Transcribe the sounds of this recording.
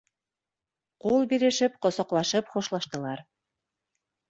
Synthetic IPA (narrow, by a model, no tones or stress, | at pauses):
qulˠbiɾɘ̆ʃɘpqŏsɑqlˠɑʃɤpχŭʃlˠɑʃt̪ɤ̆lˠɑɾ